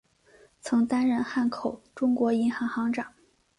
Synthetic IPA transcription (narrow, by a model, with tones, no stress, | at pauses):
t͡sʰɤ˧˥ŋt̪a˥nɻə˧nxa˥˩nkʰo˨˩˦ʊʈ͡ʂʊ˥ŋkwɔ˧˥i˧˥nxɑ˧˥ŋxɑ˧˥ŋʈ͡ʂɑ˨˩˦ŋ